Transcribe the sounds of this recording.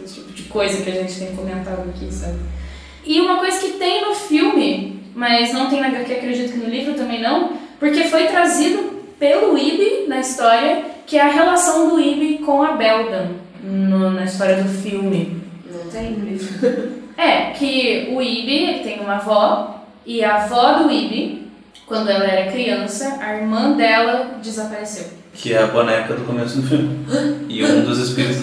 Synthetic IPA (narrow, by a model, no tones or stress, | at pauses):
t͡ʃi̥pʊd͡ʒɪkojzɐkɪaʒẽnt͡ʃɪ̥t̪ẽj̃komẽnt̪ãd̪ʊakisẽb | ɪũmɐkojzɐkɪt̪ẽj̃nʊfiwmɪmɐznɐ̃w̃t̪ẽj̃naɡ̪ɐkɪakɾed͡ʒit̪ʊkɪnʊlivɾʊt̪ɐ̃mẽj̃nɐ̃w̃poɾkefojt̪ɾazid̪ʊpelʊibɪnɐist̪ɔɾiɐkɪɛɐɦelasɐ̃w̃d̪ʊibɪkõw̃ɐbɛwdɐ̃ | nʊnɐist̪ɔɾiɐd̪ʊfiwmɪ | nɐ̃w̃t̪ẽj̃mizʊɛkʰɪʊibɪeɪt̪ẽj̃ũmɐvɔ | ɪɐvɔd̪ʊibɪ | kwɐ̃nd̪ʊɛlɐɛɾɐkɾiɐ̃sɐʔɐiɾmɐ̃d̪ɛlɐd͡ʒɪzapaɾesew | kʰɪɛɐvɔnɐɛpʊkɐd̪ʊkomesʊd̪ʊfiwmɪɪũd̪ʊzespiɾ